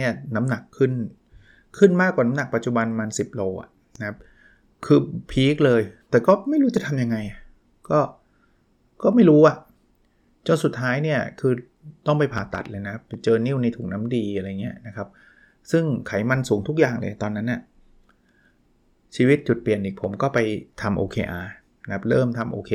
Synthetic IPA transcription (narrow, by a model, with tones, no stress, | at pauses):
ni˥˩ɐna˦˥mna˨˩kʰːɯ˥˩nʰː | ɯ˥˩nmaː˥˩kwaː˨˩na˦˥mna˨˩k̚pa˨˩t̪̚t͡ɕu˨˩ba˧nmaː˧nsi˨˩p̚loː˧ʔa̰˨˩ | na˦kʰa˦˥p̚ | kʰɯː˧pʰiː˦˥k̚lɤː˧jt̪ɛː˨˩kɔː˥˩ma˥˩jɾuː˦˥t͡ɕa˨˩t̪ʰa˧mja˧ŋːa˧jʔa˨˩ | kɔː˥˩ | kɔː˥˩ma˥˩jɾuː˦˥ʔa˨˩ʔ | t͡ɕo˧nsu˨˩t̪ʰːaː˦˥jni˥˩ɐkʰɯː˧ | t̪ɔ˥˩ŋp̬a˧jpʰaː˨˩t̪a̰˨˩t̪̚lɤː˧jna˦kʰa˦˥p̚t͡ɕɤː˧ni˥˩wna˧jt̪ʰuː˨˩na˦˥mdiː˧ʔa˧ɾa˧jŋi˦˥ɐna˦˥kʰa˦˥p̚ | sɯ˥˩ŋkʰa˩˦jma˧nsuː˩˦ŋt̪ʰu˦˥k̚jaː˨˩ŋlɤ̰ː˧˩t̪ɔː˧nːa˦˥nːa˧˩ | t͡ɕʰiː˧wi˦˥t̪̚t͡ɕu˨˩t̪̚pli˨˩ənʔiː˨˩k̚pʰo˩˦mkɔː˥˩pa˧jt̪ʰa˧mʔoː˧kʰeː˧ʔaː˧ | na˦˥kʰa˦˥p̚ɾɤː˥˩mt̪ʰa˧mʔoː˧kʰeː˧